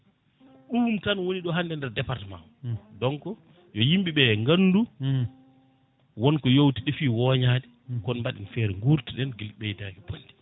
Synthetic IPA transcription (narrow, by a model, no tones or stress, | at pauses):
ɗuːmtanwoniɗɔɦandɛndɛɾdɛpaɾtma̰wdɔŋkɔ | jɔjimɓiɓɛŋɡanːdu | wɔnkɔjowtiɗɛfiːwɔɲaːɗɛ | kɔnmbaɗinfɛɾɛŋɡuɾtiɗɛnɡilɓɛjdaɡɛbondɛ